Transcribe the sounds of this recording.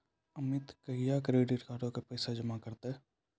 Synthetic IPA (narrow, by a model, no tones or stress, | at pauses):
əmɪt̪kəɦijakɾeːɖiɾkaːɾõkepɛːsad͡ʒəmakəɾt̪e